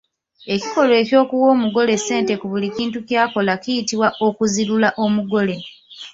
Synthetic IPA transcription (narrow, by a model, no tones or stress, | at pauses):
e̞ciko̞lwoeːco̞ːkuwo̞ːmuɡo̞le̞sːe̞ːnte̞kuβuliciːntucjaːko̞lacijitiwaʔo̞kuziɾulaʔo̞muɡo̞le̞